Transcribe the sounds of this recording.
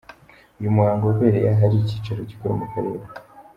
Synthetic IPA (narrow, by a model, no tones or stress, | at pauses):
ujumuaːŋɡoɡweːɾejaɦaɾicit͡ʃeɾocikoɾumukaɾe̞ɾe